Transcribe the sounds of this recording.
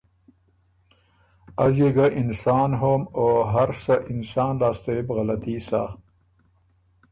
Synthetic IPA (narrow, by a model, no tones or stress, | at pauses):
azjeɡaʔɪnsɑːnɦomoɦaɾsaʔɪnsɑːnlɑːst̪oebɣalat̪iːsa̰ː